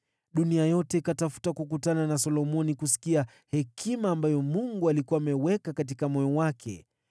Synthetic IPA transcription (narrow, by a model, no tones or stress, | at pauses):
ɗuniajɔtɛikatafu̥takukutananasɔlɔmɔnikusi̥kia | hɛkʰimaːmbajɔmuŋɡualikuwamɛwɛkakatikamɔjɔwakʰɛ̰